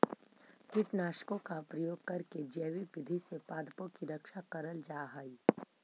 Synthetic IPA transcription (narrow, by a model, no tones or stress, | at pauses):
kɪʈnaːʃkõkapɾɐjoːɡ̚kɐɾked͡ʒeːwipɪd̪ʱisepaːd̪põkiɾɐkʃakəɾəld͡ʒaːɦaːi